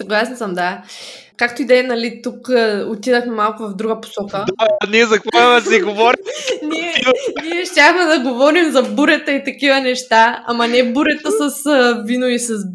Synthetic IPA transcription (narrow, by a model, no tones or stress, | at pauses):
sɐɡlˠasɛnsəmd̪a | kak̚t̪ʊid̪ɛjənɐlit̪ukːot̪id̪əxmɛmalˠkʊvɐvd̪ɾuɡəpo̥sɔkəd̪niɛzɐkaɐmɛsɛɡovɔɾiniɛniɛʃtʲaxmɛd̪ɐɡovɔɾimzɐbuɾɛt̪əit̪ɐkivənɛʃt̪aamɐnɛbuɾɛt̪əsɐsvinoisɐs